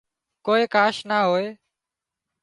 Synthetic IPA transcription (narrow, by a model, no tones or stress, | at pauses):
koːeːkaːʃnaːɦoːeː